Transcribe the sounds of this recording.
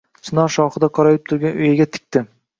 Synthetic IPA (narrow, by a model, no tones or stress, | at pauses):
t͡ʃʰɪnɒʃɒχɨd̪aqʰɒɾajɪp̚t̪ʰʊɾɡʲanʊjaɡʲat̪ʰɪ̥k̚ʲt̪ɪ